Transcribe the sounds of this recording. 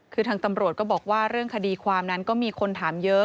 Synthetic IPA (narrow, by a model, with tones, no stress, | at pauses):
kʰɯː˧t̪ʰaː˧ŋt̪a˧mɾu˨˩t̪̚kɔː˥˩bɔː˨˩k̚waː˥˩ɾɯ˥˩əŋkʰa˧diː˧kʰwaː˧mna˦˥nkɔː˥˩miː˧kʰo˧nt̪ʰaː˩˦mjɤ˦˥